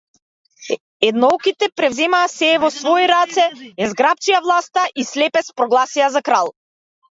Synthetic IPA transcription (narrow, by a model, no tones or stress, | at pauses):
ɛd̪nɔɔkit̪ɛpɾɛvzɛmaːsɛvɔsvɔiɾat̪sɛɛzɡɾap̚t͡ʃijavlˠast̪aʔislɛpɛspɾɔɡlˠasiazakɾalˠ